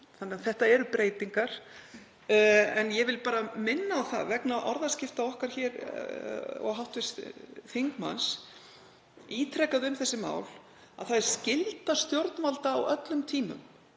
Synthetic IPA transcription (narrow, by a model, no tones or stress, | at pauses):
θanɛaθɛht̪aɛɾʏpɾeːjt̪iŋkaɾ̥ | ɛnjɛvɪlpaːɾamɪnːaːwθa̰ðvɛknaʔɔɾðascɪft̪aɔhkaɾ̥çɛːɾ | ɔ̰ɣɦawt̪vɪsθiŋkma̰ns | iːt̪ʰɾɛkaðʏʏmθɛsːɪma̰ːwl | a̰ðθaðɛɾ̥scɪlt̪ast̪jowɾt̪nvalt̪aːwœt̪lʏmt̪ʰiːmʏ̰m